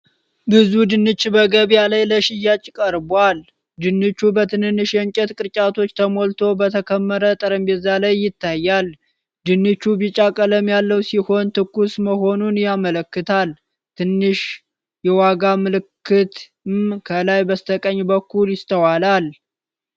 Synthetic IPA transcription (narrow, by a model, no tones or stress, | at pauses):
bɨzud̪ɨnːɨt͡ʃʼːbəɡəβjalajləʃɪjat͡ʃʼɪkʼəɾbal | d̪ɨnːɨt͡ʃːubət̪ʰɨnɨnːɨʃjɛɲt͡ʃʼɛt̪kʼɨɾt͡ʃʼat̪ʰo̞t͡ʃːt̪ʰəmolt̪ʰo̞bət̪ʰəkʰəmːəɾət̪ʼəɾəmbɛzalajːɪt̪ːajːal | d̪ɨnːɨt͡ʃːubit͡ʃʼakʼələmjalːəwsiho̞nt̪ʰɨkːusməho̞nunjamələkːɨt̪ʰal | t̪ʰɨnːɨʃ | jɛwaɡamɨlɨkːɨt̪ | mkʰəlajbəst̪ʰəkʼəɲːbəkːuljɪst̪ʰəwalal